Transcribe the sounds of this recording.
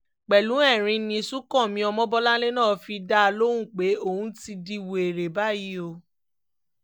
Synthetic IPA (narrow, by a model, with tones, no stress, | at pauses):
k͡pɛ˨lũ˨˦ɛ˦˨ɾ̃ĩ˧nĩ˧su˦kɔ̃˦˨mĩ˧ɔ˧mɔ̃˦bɔ˦la˦le˦nãː˦˨fi˧da˦a˧lo˦ũ˦˨k͡pe˨˦o˦˨ũ˧˦ti˧di˧wo˨e˨ɾe˨ba˦˨ji˨˦o˧